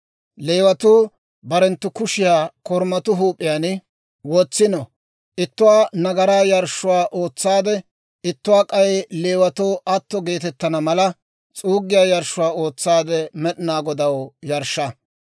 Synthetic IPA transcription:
le̞ːwɐt̪uː | bɐɾɛnt̪ːʊkʊʃɪjaːkɔɾmɐt̪ʊɦuːpʼːɪjaːn | wɔt͡sːɪnɔ | ʔɪt̪ːʊwaːnɐɡɐɾaːjɐɾʃʊwaːʔo̞ːt͡sːaːd̪ɛ | ɪt̪ːʊwaːkʼɐjɛle̞ːwɐt̪oːʔɐt̪ːɔɡe̞ːt̪ɛt̪ːɐnɐmɐlɐ | t͡sʼuːɡːɪjaːjɐɾʃʊwaːo̞ːt͡sːaːd̪ɛmɛɗɪnaːɡɔd̪ɐwjɐɾʃːɐ

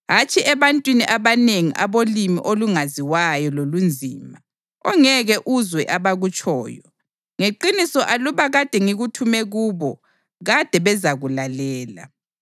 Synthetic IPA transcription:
ɦat͡ʃʼiʔɛβantʼwiniʔaβaneŋiʔaβolimḭʔoluŋaziwajɔlolund͡zʱiːma | ɔŋɛɣɛʔuzwɛʔaβaɣut͡ʃʼʰɔːjɔ | ŋeǃinisɔʔaluβaɣad̥ʱɛŋiɣutʰumɛɣuːβɔ | ɣad̥ʱɛβɛzaɣulalɛːla̰

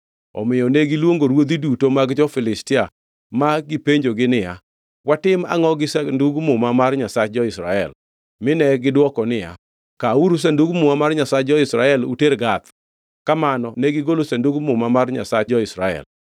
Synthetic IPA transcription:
ɔ̰mɪjɔneɡɪlwoŋɡoɾwod̪idutomaɡd͡ʒɔfɪlɪstɪa | maɡɪpeɲd͡ʒoɡɪnɪja̰ | watɪma̰ŋɔɡɪsanduɡmʊmamarɲasad͡ʒɔɪsɾa̰ɛ̰l | mɪnɛɡɪdwɔkɔnɪja̰ | kauɾus̬anduɡmʊmamarɲasad͡ʒɔɪsɾaɛlṵteɾɡat̪ | kamanɔnɛɡɪɡolosanduɡmʊmamarɲa̰sad͡ʒɔɪsɾa̰ɛ̰l

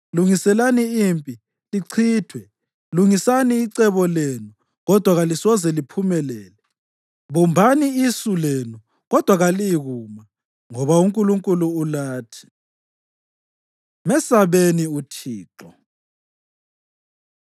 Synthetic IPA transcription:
luŋisɛlaniiːmpʼi | liǀʰiːtʰwɛ | luŋisaniːǀɛβɔlenu | ɣɔd̥ʱwaɣalisɔzɛlipʰumɛlɛːlɛ | βumbʱaniisulenu | ɣɔd̥ʱwaɣaliɣuma | ŋɔβauŋkʼuluŋkʼuluːlaːtʰi̥ | mɛsaβeniutʰiːǁɔ

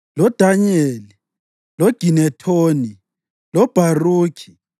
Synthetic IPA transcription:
lɔd̥ʱaɲeli | lɔɡ̥ʱinɛtʰoːni | lɔb̥ʱaruːkʰi̥

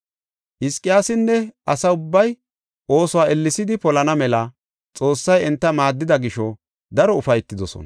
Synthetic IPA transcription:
hɪskʼːɪjaːsɪnːɛʔɐsɐʊbːɐj | ʔo̞ːsʊwaːʔɛlːɪsɪd̪ɪpɔlɐnɐmɛlɐ | t͡sʼo̞ːsːɐjɛnt̪ːɐmaːd̪ːɪd̪ɐɡɪʃɔ | d̪ɐɾɔʊfɐjt̪ːɪd̪ɔsɔ̰nɐ

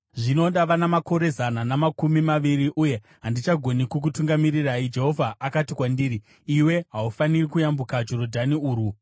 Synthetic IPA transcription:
ʐino̞ɗaʋanamako̞ɾe̞zananamakumimaʋiriʔuje̞ | ɦandit͡ʃaɡʱo̞nikuk̬utuŋɡamiriraid͡ʒe̞ɦo̞vʱaʔːkatikwandiːriː | we̞ɦaufanirikujambukad͡ʒo̞rodʱaniuːɾu

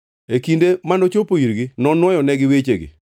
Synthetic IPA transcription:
ekindemanot͡ʃopoiɾɡinɔnwɔjɔnɛɡɪwet͡ʃeɡɪ̰

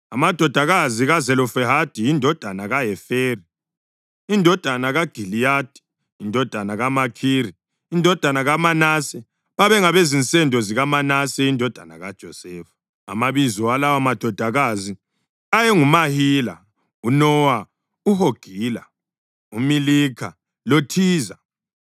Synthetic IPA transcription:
amad̥ʱɔd̥ʱaɣaziɣazɛlɔfɛɦad̥ʱijindʱɔd̥ʱanaɣaɦɛfeːri | indʱɔd̥ʱanaɣaɡ̥ʱilijaːd̥ʱi̥ | indʱɔd̥ʱanaɣamakʰiːɾi | indʱɔd̥ʱanaɣamanasɛ | βaβɛŋaβezint͡sʼɛndʱɔziɣamanasɛindʱɔd̥ʱana̰ɣad̥ʒ̥ʱɔsɛːfḁ | a̰maβizɔwalawamad̥ʱɔd̥ʱaɣazi | ajɛŋumahiːla̰ | unɔːwa | uɦoɡ̥ʱiːla̰ | umiliːkʰa̰ | lotʰiːza

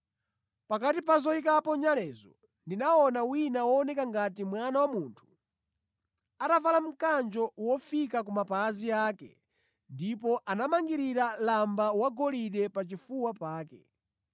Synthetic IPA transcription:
pakatip̬azɔikapɔɲalɛːzɔ | ndinaɔnawinawɔːnɛkaŋɡatimwanawamuːntʰu̥ | atavalam̩kand͡ʒɔwɔfikak̬umapaːziaːkɛ̰ | ndipɔʔanamaŋɡiɾiɾalambawaɡɔliɗɛpat͡ʃifuwapaːkɛ̰

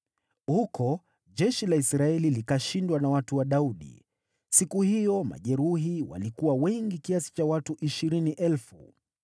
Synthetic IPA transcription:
hukʰɔ | ʄɛʃilaisɾaɛlilikaʃindwanawatuwaɗauɗḭ | sikuhijɔma̰ʄɛɾuɦiwa̰likuwawɛŋɡikiasi̥t͡ʃawatuʔiʃiɾiniʔɛlfṵ

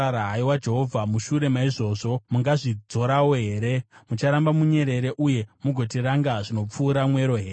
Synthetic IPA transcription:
aɾaɦaiwad͡ʒe̞ɦo̞vʱamuʃuɾe̞maiʐo̞ːʐo̞muŋɡaʐid͡zo̞ɾawoɦe̞ːɾe̞mut͡ʃaɾambamuɲe̞ɾe̞ɾe̞ʔuje̞muɡʱo̞tiɾaŋɡaʐino̞p͡fuːɾamwe̞ɾo̞ɦe̞ː

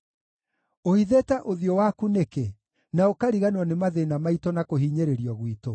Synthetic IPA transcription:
ohiðetaʔoðiɔwakuneke | naokaɾiɣanwɔnemaðenamaitɔnakoɦiːɲeɾeɾiɔɣwito

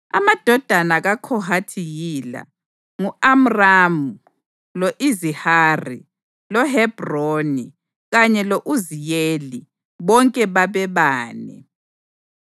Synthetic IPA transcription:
a̰mad̥ʱɔd̥ʱanaɣakʰɔɦatʰiɣila̰ | ŋuam̩ramu | loʔiziharḭ | lɔɦɛb̥ʱroni | ɣaɲɛloʔuzijeli | βɔŋkʼɛβaβɛβaːnɛ̰

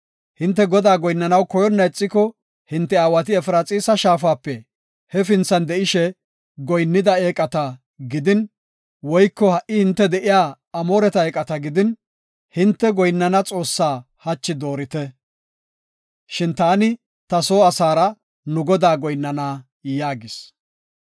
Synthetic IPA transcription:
hɪnt̪ːɛɡɔd̪aːɡɔjnːɐnɐwkɔjɔnːɐɛt͡sʼːɪkɔ | hɪnt̪ːɛaːwɐt̪̬ɪɛfɾaːt͡sʼiːsɐʃaːfaːpːɛ | hɛfɪnt͡sːɐnd̪ɛʔɪʃɛ | ɡɔjnːɪd̪ɐeːkʼɐt̪ɐ | ɡɪd̪ɪn | wɔjkːɔhɐʔɪhɪnt̪ːɛd̪ɛʔɪjaː | ɐmoːɾɛt̪ɐeːkʼɐt̪ɐɡɪd̪ɪn | hɪnt̪ːɛɡɔjnːɐnɐt͡sʼo̞ːsːaː | hɐt͡ʃːɪd̪o̞ːɾɪt̪ɛ | ʃɪnt̪aːnɪ | t̪ɐso̞ːɐsaːɾɐ | nʊɡɔd̪aːɡɔjnːɐnaː | jaːɡɪs

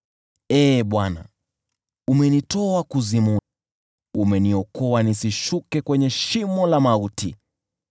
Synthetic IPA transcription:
ɛːɓwana̰ | umɛnitɔakuzimu | umɛniɔkɔanisiʃukɛkwɛɲɛʃimɔlamautḭ

